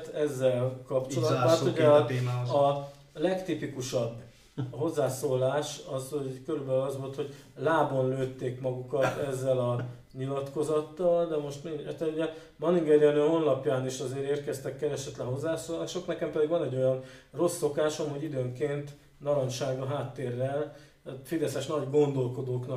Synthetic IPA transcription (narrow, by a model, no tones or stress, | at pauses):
t̪ɛzːɛlkɒpt͡ʃo̞lɒtd̪at̪oɟː | ɒ | lɛkt̪ipikuʃɒbː | ɦo̞zːaːsoːlaːʃɒzokøɾybɛlylɒzʋo̞lt̪ho̞ɟ | laːbo̞nløːt̪ːeːkmɒɡukɒt̪ɛzːɛlɒ | ɲilɒt̪ko̞zɒt̪ːɒld̪ɛmo̞ʃt̪miɲɛt̪sɛluɟɛ | mɒniŋɡɛliɒnøɦo̞nlɒpjaːniʃɒzeːɾeːrkɛst̪ɛkːɛlɛʃɛt̪lɛnɦo̞zːaːsoːlaːʃo̞knɛkɛmpɛd̪iɡvɒnɛɟːo̞jɒnro̞sːo̞kaːʃɒmuɟid̪øːŋkeːnt̪ | nɒlonʃaːɡɒɦaːt̪ːeːrːɛl | fid̪ɛsɛʃnɒɟɡo̞nd̪o̞lko̞d̪oːknɒk